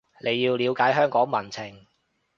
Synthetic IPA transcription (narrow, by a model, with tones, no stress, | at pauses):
lʔe˨˧jːiː˧wliː˨˧wkaː˨˥jɦœː˥ŋkɔː˨˥ŋmɐ˨˩nt͡sʰɪ˨˩ŋ